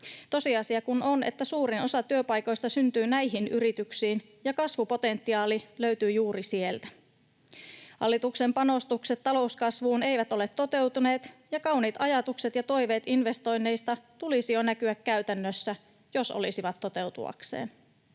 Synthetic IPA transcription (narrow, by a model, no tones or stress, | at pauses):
t̪o̞siɑsiɑkunone̞̰t̪ːæsuːɾino̞sɑt̪yøpɑjko̞jst̪ɑsynt̪yːnæjɦinyɾit̪yksiːn | jɑkɑsʋupo̞t̪e̞nt̪ːiɑːliløɥt̪yːjuːrisie̞lt̪æ̥ | hɑ̰lːit̪ukse̞mpɑno̞st̪ukset̪ːɑlo̞uskɑsʋuːne̞jʋæt̪o̞le̞t̪ːo̞t̪e̞wt̪une̞ːt̪jɑkɑwniːt̪ɑjɑt̪ukset̪jɑt̪o̞jʋe̞ːt̪inʋe̞st̪o̞jnːe̞jst̪ɑt̪ulisio̞nækyækkæyt̪ænːøsːæ | jo̞so̰lisiʋɑt̪ːo̞t̪e̞wt̪ṵɑ̰ksḛːn